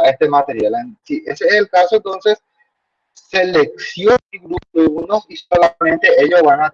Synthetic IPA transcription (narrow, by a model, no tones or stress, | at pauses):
est̪emat̪e̞ɾjalensiʔeseeselkasoent̪o̞nse̞s | se̞lek̚θjoiɣɾuunosiso̞lamẽnt̪e̞eʎozβana